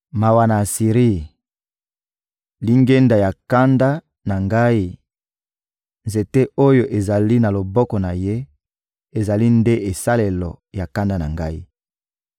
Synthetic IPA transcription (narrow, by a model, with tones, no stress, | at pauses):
ma˨wa˨na˨si˨ʁi˦˨ | li˦ŋɡe˦nda˨ja˨ka˦nda˦ | na˨ŋɡa˦i˦ | nze˨te˦o˦jo˨ʔe˨za˨li˦na˨lo˨bɔ˦kɔ˨na˨je˦ | e˨za˨li˦nde˦ʔe˨sa˦le˨lɔ˨ja˨ka˦nda˦na̰˨ŋɡa˦i˦